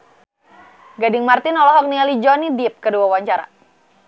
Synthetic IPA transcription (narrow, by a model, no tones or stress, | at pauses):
ɡadɪŋmart̪ɪnɔlɔɦɔk̚nialid͡ʒɔnidip̚kəduawaɲt͡ʃaɾa̰